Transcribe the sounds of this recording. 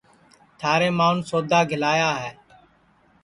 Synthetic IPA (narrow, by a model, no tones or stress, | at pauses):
t̪ʰaːɾeːmaːnsoːd̪ʱaːɡʱɪlaːjaːɦɛː